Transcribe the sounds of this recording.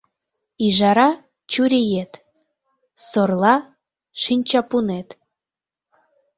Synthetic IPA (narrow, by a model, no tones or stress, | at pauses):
iʒɑɾɑ | t͡ɕuɾʲijet̪ | sorlˠɑ | ʃinʲt͡ɕɑpunet̪